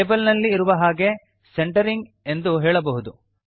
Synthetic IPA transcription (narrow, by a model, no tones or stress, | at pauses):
ebɐlnɐlːiːɾuʋɐɦaːɡe̞ | seɳʈɐɾiŋɡ | e̞nd̪uɦɛːɭɐbɐɦud̪u